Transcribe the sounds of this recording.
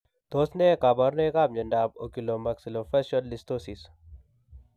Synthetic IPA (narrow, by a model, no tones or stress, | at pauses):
t̪oːsnekaːbaɾnekaːb̚ɲɐɳɖaːb̚o̰kilomɐksilofɐʃolːist̪oːsis